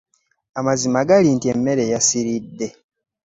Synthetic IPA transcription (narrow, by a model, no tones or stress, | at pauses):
amazimaɡaliːntiemːe̞ɾe̞jasiɾidːe̞